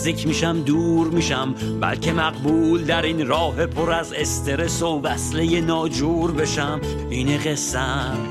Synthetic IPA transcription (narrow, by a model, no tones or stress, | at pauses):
iːkʰmiːʃæmd̪uːɾmiːʃæmbæ̰lcʰe̞mæɢbuːld̪æɾinɾɒːɦe̞pʰo̞ɾæze̞st̪ʰe̞ɾe̞soːbæslejenɒːd͡ʒuːɾbe̞ʃæm | iːneɣe̞sːæ